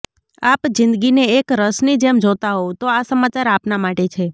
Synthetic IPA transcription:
apd͡ʒɪ̃nd̪ɡineːkɾəsnid͡ʒemd͡ʒot̪aɦow̃t̪oasəmat͡ʃaɾapnamaʈet͡ʃʰe

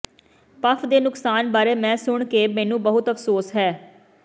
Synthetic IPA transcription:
pəfʰd̪eːnʊksaːnbaːɾeːmɛ̃ːsʊɳkeːmɛ̃ːnũːbəɦʊt̪əfsoːsɦɛː

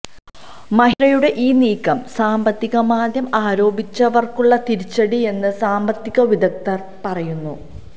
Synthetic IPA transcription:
mɐɦiɾɐjuɽe̞ʔiːniːkːɐmsaːmbɐt̪ːiɣɐmaːd̪jɐmaːɾo̞ːbit͡ɕːɐʋɐrkuɭːɐt̪iɾit͡ɕːɐɽie̞nːɨsaːmbɐt̪ːiɣɐʋid̪ɐk̚t̪ːɐr | pɐrɐjunːu

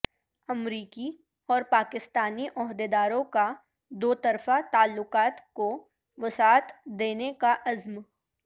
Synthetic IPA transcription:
ɐmɾiːki | ɔːɾpaːkɪst̪aːniʔɔɦd̪ed̪aːɾõka | d̪oːt̪ɐɾfat̪aːlːʊqaːt̪ko | ʋɪsaːt̪d̪eːnekaʔɐzm

